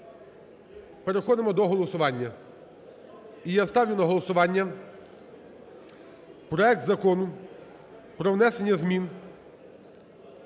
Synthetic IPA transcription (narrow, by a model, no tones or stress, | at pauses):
peɾexɔd̪ɪmɔd̪ɔɦɔlˠɔsʊʋɑnʲːɐ | ijast̪ɑwjʲɪnɐɦɔlˠɔsʊʋɑnʲːɐ | pɾɔɛk̚t̪zɐkɔnʊ | pɾɔʋnɛsenʲːɐzmʲin